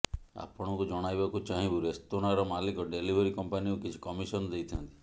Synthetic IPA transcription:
a̰pɔɽ̃ɔŋkud͡ʒɔɽ̃ajbakut͡ʃaɦĩbuɾest̪oɽ̃aɾɔmalikɔɖelibʱeɾikɔmpanikukit͡ʃʰi̥kɔmisɔnɔd̪ejt̪ʰiɔnt̪i̥

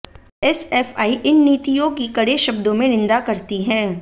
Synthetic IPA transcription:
ɛsɛːfaːiʔɪnːiːt̪ijõkikɐɽeʃɐbd̪õmẽnɪ̃nd̪akɐɾt̪iɦɛ̃ː

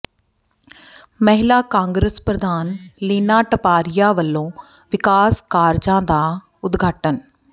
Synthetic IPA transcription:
məɦɪlaːkãːŋɡɾəspɾəd̪aːnliːnaːʈəpaːɾɪjaːʋəlːõː | ʋɪkaːskaːɾd͡ʒãːd̪aː | ʊd̪ɡʱaːʈən

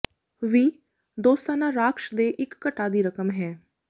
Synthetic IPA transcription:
ʋiː | d̪oːst̪aːnãːɾaːkʃd̪eːʔɪkːəʈaːd̪iːɾəkəmɦɛː

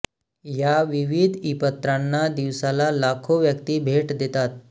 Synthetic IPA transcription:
jaʋiʋid̪ʱipət̪ːɾanːad̪iʋsalalakʰoʋjək̚t̪iːbʱeʈd̪et̪at̪̚

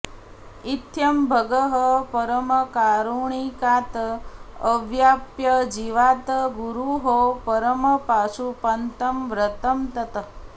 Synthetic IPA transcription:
it̪jɐmbʱəɡəɦəpəɾəməkaɾuɳikat̪ | əʋjapjəd͡ʒiʋat̪ɡuɾuɦopəɾəməpasupɐnt̪əmʋɾət̪əmt̪ɐt̪ə

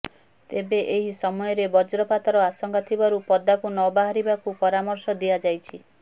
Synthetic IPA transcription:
t̪ebeʔeɦisɔmɔjɔɾebɔd͡ʒɾɔpat̪ɔɾɔasɔŋkʰat̪ʰibaɾupɔd̪akunɔbaɦaɾibakupɔɾamɔɾsɔd̪iad͡ʒajt͡ʃʰi

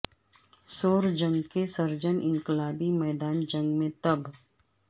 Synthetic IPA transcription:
soːɾd͡ʒə̃ŋɡkesɐɾd͡ʒənʔɪ̃ŋkɪlaːbimɛːd̪aːnd͡ʒə̃ŋɡmẽt̪ɐb

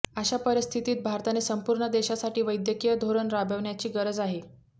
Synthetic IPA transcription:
əɕapəɾist̪ʰit̪iːt̪̚bʱaɾt̪anesəmpuɾɳəd̪eɕasaʈiːʋəjd̪jəkijəd̪ʱoɾəɳɾabəʋɳjat͡ɕiːɡəɾəd͡zaɦe

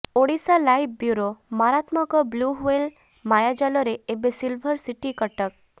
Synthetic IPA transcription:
oɽisalajbbjuɾomaɾat̪mɔkɔbluɦwel | majad͡ʒalɔɾeːbesilbʱəɾsiʈikəʈək̚

